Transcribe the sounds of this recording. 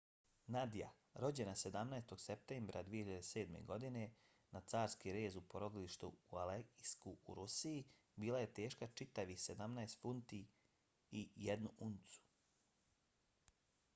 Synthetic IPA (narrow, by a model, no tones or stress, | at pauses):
nad̪ija̰ | ɾo̞d͡ʑe̞nased̪amnaest̪o̞ɡsep̚t̪eːmbɾʔa̰d̪ʋijehiʎad̪ese̞ːd̪me̞̰ɡo̞d̪ine̞ | nat̪saːɾskiɾe̞ːzupo̞ɾo̞d̪iliʃt̪uualeɡiskuuɾusii | biːlaje̞t̪e̞ːʃkat͡ʃit̪aʋise̞d̪amnaest̪funt̪i | ijed̪nuʔunt̪su̥